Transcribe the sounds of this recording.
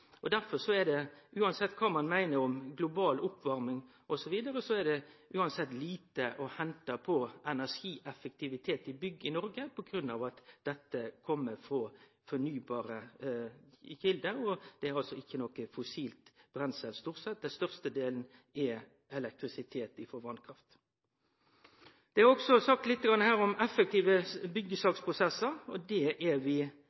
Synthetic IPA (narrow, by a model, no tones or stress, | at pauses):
ɔd̪æɾfɔɾʂɔæd̪ɛʔʉːɑnsɛt̪ːkʰɑːmɑnmæɪnəɾɔmɡlʊbɑːlʊpːʋɑɾmɪŋ | ʔɔsɔʋiːd̪əɾəsɔæɖɛʔʉːɑnsɛt̪ːliːt̪əʔɔhɛnt̪ɑpʰɔɛnæʂiːʔɛfək̚t̪ʰɪʋɪt̪ʰeːt̪ɪbʏɡːəɪnɔɾɡəpʰɔɡɾʉnːɑ̰ːʋɑt̪d̪̥ɛt̪ːəkʰɔmːəfɾɑ | fɔnyːbɑːɾə | çɪld̪əɔd̪̥ɛæɾɑlsɔɪçːənɔkəfʊsiːlt̪b̥ɾɛnsɛlst̪uːʁsɛt̪̚d̪ɛnst̪œʁst̪əd̪eːln̩ɛ | ɛlɛk̚t̪ɾɪsɪt̪ʰeːt̪ɪfɔʋɑnkʰɾɑft̪ | d̪̥ɛhɑɾɔksɔsɑk̚t̪lɪt̪ːəɡɾɑnːəhæːɾɔmɛfːək̚t̪iːʋəbʏɡːəsɑːkspʰʁʊsɛsːəɾɔd̪ɛʔæʋɪ